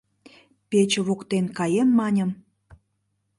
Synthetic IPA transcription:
pet͡ɕəβokt̪enkɑjemːɑnʲəm

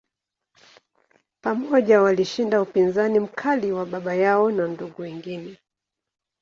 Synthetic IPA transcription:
pamɔʄawaliʃindaupinzanim̩kʰaliwaɓaɓajaɔnanduɡuwiŋɡinɛ

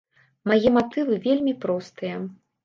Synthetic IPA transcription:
majɛmat̪ɨvɨvʲelʲmʲipɾɔst̪ɨjɐ

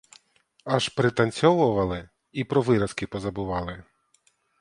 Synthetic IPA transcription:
ɐʃpɾɪt̪ɐnʲsʲɔʋʊʋɐlˠɪ | ipɾɔʋɪɾɐskʲɪpɔzɐbɪʋɑlˠɪ

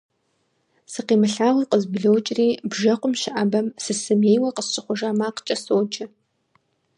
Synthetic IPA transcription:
sɨqiːmɨɬaːʁiːqəzbɮowt͡ʃʼriːbʒɐqʷʊmʃɪʔɐbɐmsɨsɨmeːjwɐqəst͡ʃʼɪχʷʊʒaːmaːqt͡ʃʼɐsoːwt͡ʃʼɐ

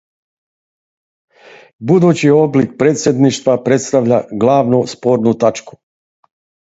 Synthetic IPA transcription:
bud̪uːt͡ɕio̞blik̚pɾet̪sʲje̞d̪niʃt̪ʋapɾe̞t̪st̪aʋʎaɡlˠaːʋnuspoːɾnut̪at͡ʃku̥

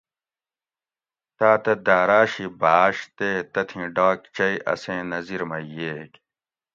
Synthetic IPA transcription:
t̪aːt̪ɐd̪aːɾaːɕibaːɕt̪et̪ɐt̪ʰĩɖaːk̚t͡ɕɐiʔɐ̰sẽːnɐziɾmɐjeːk

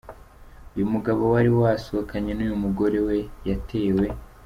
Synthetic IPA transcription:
ujumuɡaβo̞waɾiwasuakʰaɲenujumuɡo̞ɾe̞we̞jate̞ːwe̞

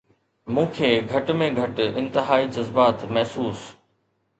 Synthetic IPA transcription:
mũːkʰeːɡʱɐʈmẽɡʱɐʈɪ̃nt̪ɪɦaːid͡ʑɐzbaːt̪mɛɦsuːs

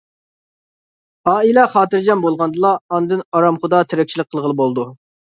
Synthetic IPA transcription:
ɑːilɛχɑːt̪ɨɾd͡ʒɑnbolˠʁɑnd̪ɨlˠɑːnd̪ɨnɑɾɑmχʊd̪ɑt̪ʰeɾɛk̚ʲt͡ʃʰilˠɨkqʰːəlˠʁəlˠɨbolˠd̪u

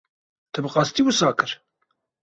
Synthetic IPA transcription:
t̪ʰæbqɑst̪iwəsɑkəɾ

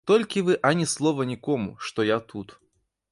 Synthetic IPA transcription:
t̪ɔlʲkʲivɨʔɐnʲɛslˠɔvɐnʲikɔmṵʂt̪ɔjat̪ʰut̪

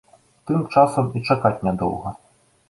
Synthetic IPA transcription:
t̪ɨmt͡ʂasɐmit͡ʂakat͡sʲnʲad̪ɔ̰wɣɐ

